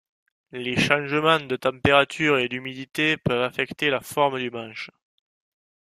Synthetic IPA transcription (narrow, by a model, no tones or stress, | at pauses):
leʃɑ̃ʒəmɑ̃d̪ət̪ɑ̃mpeʁat̪ʰyʁed̪ymid̪it̪epœvafɛkt̪elafɔʁməd̪ymɑ̃ʃ